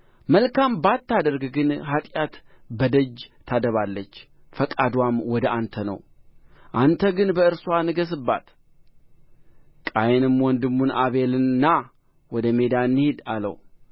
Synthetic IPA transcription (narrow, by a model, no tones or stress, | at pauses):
məlkambat̪ːad̪əɾɡɡɨnhat̪ʼjat̪bəd̪əd͡ʒt̪ʰad̪əβalːət͡ʃː | fəkʼad̪wamwɔd̪əʔant̪ʰənə̰wʔant̪ʰəɡɨnbəɨɾsuwanɨɡəs̬ɨbːa̰t̪ | kʼajnɨmwɔnd̪ɨmːunaβelɨnnːa | wɔd̪əme̞d̪anːɨhed̪alə̰w